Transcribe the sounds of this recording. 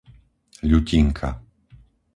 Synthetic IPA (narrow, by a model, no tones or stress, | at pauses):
ʎuciŋkʰa̰